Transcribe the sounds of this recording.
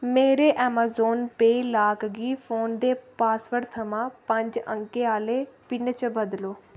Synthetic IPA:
meːɾeːʔɛːmaːzoːnpeːlaːkɡiːfʰoːnd̪eːpaːsʋəɾt̪ʰəmãːpə̃ɲd͡ʒə̰̃ŋkeaːleːpɪnt͡ʃəbəd̪loː

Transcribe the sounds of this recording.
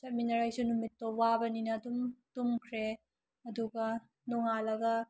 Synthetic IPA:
sɐt̚minɐɾajsunːumitːowabɐninɐːdumtumkʰɾe | ɐduɡɐ | nɔŋalɐɡɐ

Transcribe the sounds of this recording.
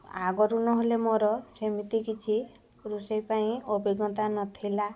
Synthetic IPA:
aɡɔɾunɔɦolemoɾɔsemit̪ikit͡ʃʰi | ɾusejpaĩobʱiɡɔt̪anɔt̪ʰila

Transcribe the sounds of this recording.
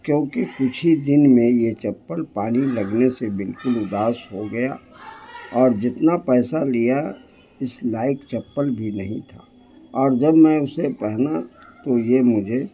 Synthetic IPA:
kjõːkikʊt͡ʃʰid̪ɪnmẽjet͡ʃɐpːəlpaːnilɐɡnesebɪlkʊlʊd̪aːsɦoɡɐja | ɔːɾd͡ʒɪt̪napɛːsalija | ɪslaːɪkt͡ʃɐpːəlbʱinɐɦĩt̪ʰaː | ɔːɾd͡ʒɐbmɛ̃ʊsepɛɦnat̪ojemʊd͡ʒʱe

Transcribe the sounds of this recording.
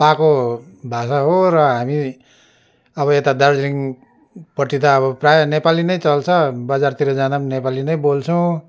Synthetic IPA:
pakobʱasaɦorʌɦami | ʌβʌet̪ad̪ʌrd͡zliŋ | pʌʈːit̪ʌːβʌprajnepalinʌjt͡sʌlt͡sʰʌbʌd͡zart̪iɾʌd͡zananepalinʌjbolt͡sʰʌw̃

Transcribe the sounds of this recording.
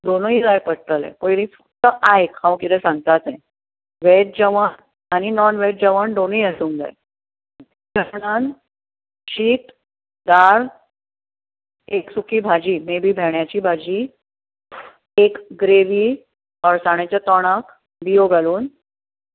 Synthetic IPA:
d̪onuid͡zajpəɽt̪əlɛ̰̃kojɾĩfə̥k̚t̪əʔaɦekʰãwkit̪ɛ̃sãŋɡt̪at̪ɛ̃ | ʋeʈ̚d͡ʑəʋəɳ | añinɔnʋeʈ̚d͡ʑəʋəɳd̪oniəsuːŋd͡za̰j | d͡ʑʱəɾɳan | ɕiːt̪ | d̪aɾ | eksukʰiːbʱad͡ʑiːmebiːbʱɛɳjat͡ɕiːbʱad͡ʑiː | ekɡɾeʋiː | ɔɾsaɽ̃et͡ɕjat̪ɔɽ̃ak | bijoɡʱaluːn

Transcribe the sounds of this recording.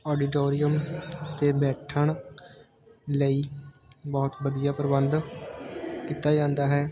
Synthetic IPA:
ɔːɖɪʈoːɾijəmt̪eːbɛːʈʰəɳ̃ | ləiːbɔːt̪ʋəd̪ijaːpɾəbənd̪ | kiːt̪aːd͡ʒãːnd̪aːɦɛː

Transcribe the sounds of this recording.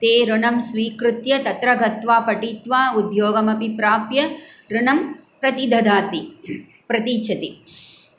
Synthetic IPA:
t̪eːɾuɳɐmsʋiːkɾut̪jɐt̪ɐt̪ɾɐɡʱɐt̪ʋaːpɐʈiːt̪ʋaːud̪joːɡɐmɐpipɾaːpjɐɾuɳɐmpɾɐt̪id̪ʱɐd̪aːt̪i | pɾɐt̪iːt͡ʃʰɐt̪i

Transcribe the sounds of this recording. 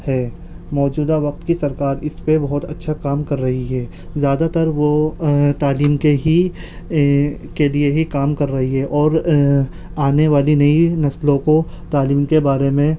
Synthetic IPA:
hɛː | mɔːd͡ʒuːd̪aʋɐq̚t̪kisɐɾkaːɾɪspebɐɦʊt̪ɐtːʃʰakaːmkɐɾːɐɦiɦɛː | zjaːd̪at̪ɐɾʋot̪aːliːmkeɦi | kelieɦikaːmkɐɾːɐɦiɦɛʔɔːɾ | aːneʋaːlinɐinɐslõko | t̪aːliːmkebaːɾemẽ

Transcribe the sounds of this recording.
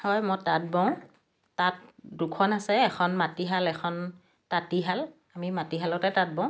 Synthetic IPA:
hɔjmɔjtat̚bɔ̃ʊ̃ | tat̚dukʰɔnasɛɛkʰɔnmatiɦalɛkʰɔn | tatiɦal | amimatiɦalɔtɛtat̚bɔ̃ʊ̃

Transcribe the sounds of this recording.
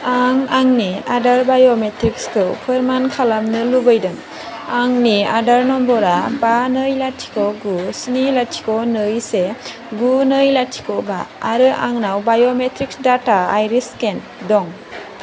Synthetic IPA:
aŋaŋniadaɾbajometɾikskɯwpʰɯɾmankʰalamnɯlubɯjdɯŋ | aŋniadaɾnɔmbɔɾabanɯjlatʰi̥kɔɡusnilatʰi̥konɯjse | ɡunɯjlatʰi̥koba̰ːɾɯʔaŋnawbajometɾik̚sdataajɾisken | dɔŋ

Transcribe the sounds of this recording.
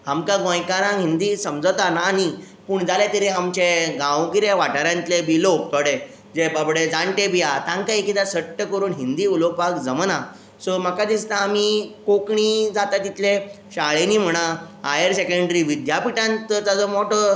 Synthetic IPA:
amkãɡõjkaɾãŋɦind̪iːsəmd͡zət̪anaːni | puːɳd͡zalat̪əɾeamt͡ɕeɡãwkiɾeʋaʈaɾjãnt̪lebilok̚t̪ɔɽe | d͡zebəbɽed͡zãɳʈebijat̪ãŋkaekid̪asəʈːəkəɾuːnɦind̪iːulokpakd͡zəmna | sɔmakad̪ist̪aːmikokɳid͡zat̪at̪it̪le | ɕaɭeniːm̤əɽ̃a | a̰jəɾsekəɳɖɾiʋid̪japiʈãnt̪ət̪ad͡zəmɔʈə

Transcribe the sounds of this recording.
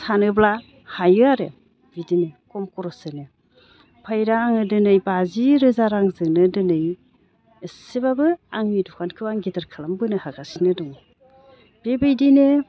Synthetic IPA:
sanɯbla | hajɯaɾḛ | bidinɯkɔmkɔɾɔsɯnɯ | pʰajɾaːŋɯdɯnɯjbaziɾɯzaɾaŋzɯŋnɯdɯnɯjː | sebabɯaŋmidɔkʰankʰɯbaŋɡetɯɾkʰalambɯnɯhaɡasinɯdɔŋ | b̥ebɯjdinɯ

